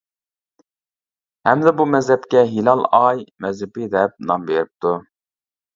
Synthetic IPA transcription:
hɛmd̪ɛbumɛzɦɛpkʲɛɦilɑlˠɑjmɛzɪpɪd̪ɛp̚nɑmbeɾɪp̚t̪ʰu

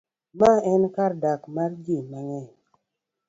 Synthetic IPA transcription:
maɛnkaɾdakmaɾd͡ʒimaŋɛ

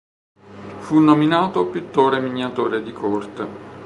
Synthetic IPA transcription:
funːominaːt̪opit̪ːoːɾemiɲːat̪oːɾed̪ikʰɔrt̪e

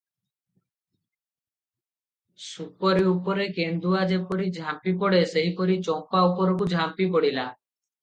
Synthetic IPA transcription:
supɔɾiupɔɾekend̪uad͡ʒepɔɾid͡ʒʱampipɔɽeseɦipɔɾit͡ʃɔmpaupɔɾɔkud͡ʒʱampipɔɽila

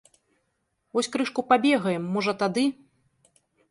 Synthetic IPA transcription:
vɔsʲkɾɨʂkupabʲɛɣɐjɛmːɔʐɐt̪ad̪ɨ

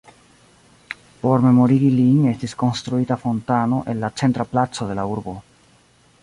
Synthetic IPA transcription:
po̞ɾme̞mo̞ɾiɡiliɲest̪isko̞nst̪ɾuit̪afo̞nt̪ano̞ʔe̞nlat͡ʃent̪ɾaplat͡soðe̞lauɾbo

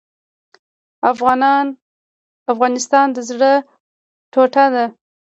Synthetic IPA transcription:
afɣɑnn | afɣɑnɪst̪ɑnd̪əzɽə | ʈʰoʈad̪a

